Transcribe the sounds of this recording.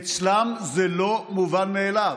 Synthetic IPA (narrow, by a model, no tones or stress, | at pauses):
t͡slamzelomuvanmeːla